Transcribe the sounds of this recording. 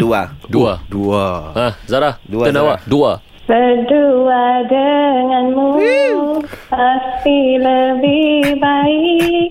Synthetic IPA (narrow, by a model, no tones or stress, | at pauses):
duaduaduaãhzaɾaduənawadua | bəduadəŋanmu | mast̪iləbɪbai